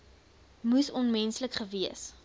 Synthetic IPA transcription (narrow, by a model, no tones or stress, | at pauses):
musɔnmɛnsləkχəviəs